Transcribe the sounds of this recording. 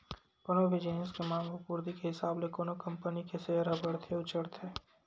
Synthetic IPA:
koːnoʋɪd͡ʒiːnəskemãːmləpuːɾd̪ikeɦɪsaːblekoːnokɐ̃mpənikeseɦəɾɦɐbəɽt̪ʰeʊt͡ʃəɾt̪ʰeː

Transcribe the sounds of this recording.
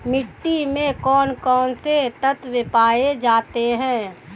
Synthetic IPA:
mɪʈːimẽkɔːnkɔːnset̪ət̪ʋɪpaːed͡ʒaːt̪eɦɛ̃ː

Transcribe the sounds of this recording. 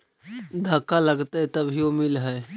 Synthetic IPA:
d̪ʱəkːaləɡt̪ət̪əbʱiomilɦəj

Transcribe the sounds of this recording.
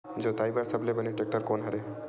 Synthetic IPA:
d͡ʒoːt̪aːibaɾsəblebənẽʈek̚ʈəɾkoːnɦɐɾe

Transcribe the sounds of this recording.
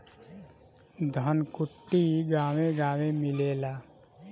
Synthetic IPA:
d̪ʱənkʊʈːiɡaːwẽɡaːʋẽmɪleːlaː

